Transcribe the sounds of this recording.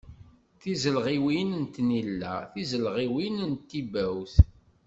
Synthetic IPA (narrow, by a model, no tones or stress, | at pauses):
θizəlʁiwinənt̪nilːæ̰θizəlʁiwinənt̪ːibæwθ